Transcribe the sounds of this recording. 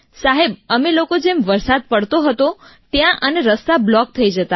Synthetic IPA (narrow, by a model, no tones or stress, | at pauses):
saɦebəmelokod͡ʒemʋəɾsad̪̚pəɽt̪oɦət̪ot̪jãʔəneɾəst̪ablɔk̚t̪ʰəid͡ʒət̪a